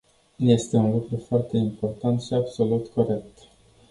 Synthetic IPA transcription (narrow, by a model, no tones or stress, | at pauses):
je̞st̪e̞unlukɾufoart̪e̞impo̞rt̪ant̪ʃiabso̞lut̪ko̞ɾe̞k̚t̪